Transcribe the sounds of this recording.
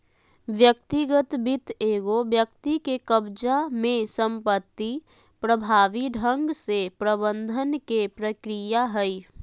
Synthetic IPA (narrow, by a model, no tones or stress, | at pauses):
ʋjəkt̪iɡət̪bit̪eːɡobjəkt̪ikekəbd͡ʒamẽsə̃mpət̪ːi | pɾəbʱaːʋiɖʱə̃ŋɡsepɾəbə̃nd̪ʱənkepɾəkɾijaɦɛi